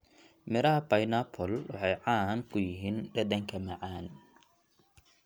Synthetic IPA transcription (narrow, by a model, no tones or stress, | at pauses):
mɪɾɐɦɐpɐjnapʰɔlwɑ̰ħɑjʕaːŋkʰʊjɪɦiːnɖɐd̪ɐŋkʰɐmɐʕaːn